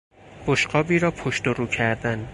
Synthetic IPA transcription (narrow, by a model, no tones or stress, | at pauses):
b̥oʃqɒːbiːɾɒːpʰoʃt̪oɾuːcʰæɾd̪æn